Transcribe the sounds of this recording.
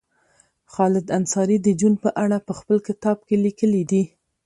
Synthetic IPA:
xɑlɪd̪ansɑɾid̪əd͡ʒunpəʔaɽapəxpəlkɪt̪ɑb̚kelikəlid̪i

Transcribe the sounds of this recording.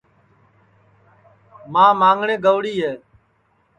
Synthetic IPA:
mãːmãːŋɡɳẽːɡəʋɽiːɦeː

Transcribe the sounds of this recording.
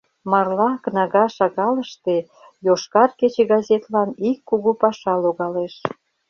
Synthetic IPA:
mɑrlɑkənɑɣɑʃɑɣɑləʃt̪e | joʃkɑrket͡ɕeɣɑzʲet̪lɑnikːuɣupɑʃɑloɣɑleʃ

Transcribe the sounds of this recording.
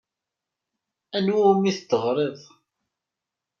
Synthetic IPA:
ænwumiθt̪ːəʁɾˤeðˤ

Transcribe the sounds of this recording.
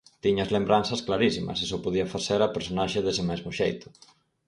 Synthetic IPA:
t̪iɲɐzlembɾansɐsklaɾisimɐ̰sesɔpoð̞iɐfaθeɾɐpeɾsonaʃɪðesɪmezmʊʃejt̪ʊ̥

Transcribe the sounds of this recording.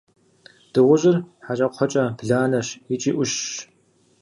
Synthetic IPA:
d̥ɨʁʷʊʑɪrħaɕʼɐqʷʰɔt͡ʃʼɐbɮaːnɐɕit͡ʃʼiːʔʷʊɕ

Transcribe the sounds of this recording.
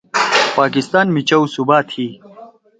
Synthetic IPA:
paːkɪst̪aːnmit͡ɕɐwsubaːt̪ʰhiː

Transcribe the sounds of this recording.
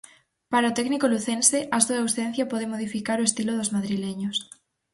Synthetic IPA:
paɾaot̪ɛknikoluθenseʔɐsuawsẽn̟θjɐpɔð̞eŋmoð̞ifikaɾʊest̪ilʊðʊzmaðɾileɲʊs

